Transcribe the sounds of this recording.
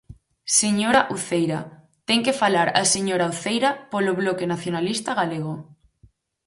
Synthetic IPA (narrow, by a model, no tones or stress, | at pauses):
seɲoɾaʔuθejɾa | t̪eŋkefalaɾa̰seɲoɾauθejɾapoloβlokenaθjonalist̪aɣaleɣ̞o